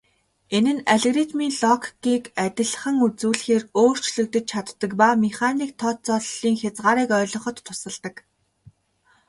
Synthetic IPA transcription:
enɘ̆næɮɣrit̪miːnɮɔkʰɡiːkæt̪ʲɪ̆ɮ̆χə̆ŋut͡suːɮxeːroːr̥t͡ɕɮɵ̆kt̪ɘ̆t͡ɕ̪̚t͡ɕʰat̪ːə̆kpameχaniːk̚t̪ʰɔːt͡sɔɮiːŋxʲat͡sʁaːɾiːkœːɮɞ̆χɞ̆t̪ːʰʊsə̆ɮt̪ə̆k

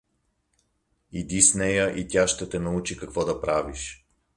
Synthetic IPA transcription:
id̪isnɛjəʔit̪ʲjaʃt̪ɛt̪ɛnɐut͡ʃikɐkvɔd̪ɐpɾaviʃ

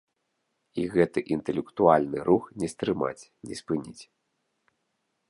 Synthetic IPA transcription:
iɣɛt̪ɨʔint̪ɛlʲɛkt̪ualʲnɨɾuxnʲɛst̪ɾɨma̰t͡sʲnʲɛspɨnʲit͡sʲ

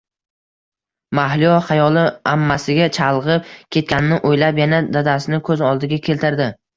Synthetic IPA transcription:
mahlɪjɒχajɒlˠɪamːasɪɡʲat͡ʃʰalˠʁɨp̚kʲʰe̞t̪̚kʲanɪnɪʔojlapjanad̪ad̪asɪnɪkʰɵzɒlˠd̪ɪɡʲakʲʰelt̪ʰɪɾd̪ɪ

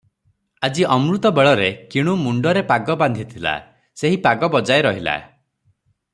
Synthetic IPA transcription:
ad͡ʒiɔmɾut̪ɔbeɭɔɾekiɽ̃umuɳɖɔɾepaɡɔband̪ʱit̪ʰila̰ | seɦipaɡɔbɔd͡ʒaeɾɔɦila̰

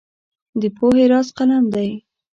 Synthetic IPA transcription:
d̪əpoheɾɑsqalamd̪aj

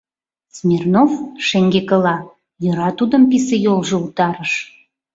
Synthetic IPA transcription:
smʲernofʃeŋɡekə̆lɑ | jɤ̆ɾɑt̪ud̪əmpisejolʒɤ̆ut̪ɑɾəʃ

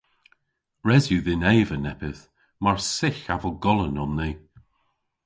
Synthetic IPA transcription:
ɹɛzjuðɪnɛːvənɛpɪθ | maɹsɪxavəlˠɡɔlˠənɔnːiː

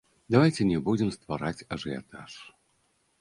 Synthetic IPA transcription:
d̪avajt͡sʲɛnʲɛbud͡zʲɪmst̪vaɾat͡sʲɐʐɨja̰t̪aʂ

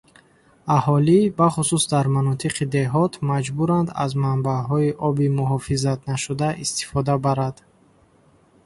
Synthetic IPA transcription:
ahɔlibaχususd̪aɾmanɔt̪ʰiqʰid̪e̞ɦɔt̪ʰmad͡ʒbuɾand̪a̰zmambaɦɔiʔɔbimuɦɔfizat̪naʃud̪aʔist̪i̥fɔd̪abaɾad̪̥

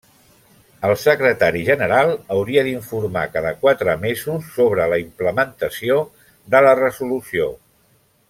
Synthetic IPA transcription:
əlˠsəkɾət̪aɾiʒənəɾalˠəwɾiəðiɱfuɾma̰kaðəkwat̪ɾəmezusːoβ̞ɾələimpləmənt̪əsio | ðələrəzulusio

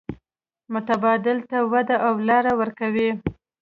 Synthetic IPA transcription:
mʊt̪abɑd̪ɪlt̪awad̪aʔawlɑɾawəɾkawi

